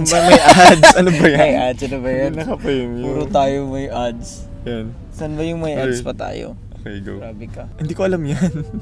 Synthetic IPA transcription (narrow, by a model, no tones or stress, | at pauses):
bɐmɐjʔadsɐnobɐjmɐʔad̪sɐnobɐjɐnnɐkɐpɛmjuːɾot̪aːjomɐjʔad̪s | jan | sɐnbɐjʊŋmɐjʔad̪spɐt̪a̰ːjo̰ | okɛɡo̰ɾaːbɪkɐhɪnd̪iːkoʔɐlamjan